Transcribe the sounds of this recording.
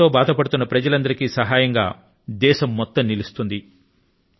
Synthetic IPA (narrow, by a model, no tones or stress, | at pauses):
o̞ːbaːd̪ɐpɐɽut̪unːɐpɾɐd͡ʒɐlɐnd̪ɐɾikisɐɦaːjɐŋɡa̰ː | d̪ɛːʃɐmːɔt̪ːɐmːilust̪und̪i